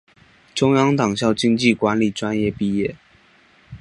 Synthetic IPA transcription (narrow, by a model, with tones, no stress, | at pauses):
ʈ͡ʂʊ˥ŋjɑ˥ŋt̪ɑ˨˩ŋɕjɑ˥˩ʊt͡ɕi˥ŋt͡ɕi˥˩kwa˧˥nli˨˩ʈ͡ʂwa˥njɛ˥˧pi˥˧jɛ˥˩